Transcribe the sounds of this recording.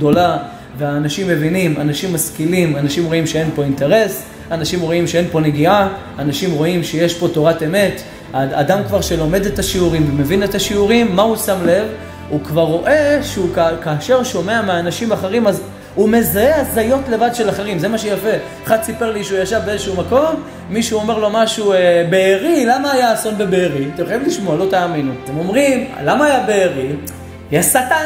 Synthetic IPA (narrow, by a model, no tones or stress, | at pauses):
do̞la | veaːnaʃimːevinimanaʃimːaskilimanaʃimʁo̞imʃee̞npo̞inte̞ʁe̞s | anaʃimʁo̞imʃee̞npo̞neɡiaː | naʃimʁo̞imʃejeʃpo̞to̞ʁate̞me̞t | aa̰damkvaʁʃe̞lo̞me̞de̞taʃiuʁimveme̞vine̞taʃiuʁimːausamle̞v | ukvaʁːo̞ʔe̞ʃeukakaːʃe̞ʁʃo̞me̞ameaːnaʃimaχeʁimaz | ume̞zeazajo̞tle̞vad̪ʃelaχeʁimze̞maʃejafe̞ | aχad̪sipe̞ʁliʃeujaʃavbeezeʃumako̞mː | iʃuo̞me̞ʁlo̞maʃuebeːʁilamaːjaːso̞nbebeːʁit̪emχojimliʃmoalo̞taːminuat̪e̞mo̞mʁim̰lamaːjabeːʁi | ajasata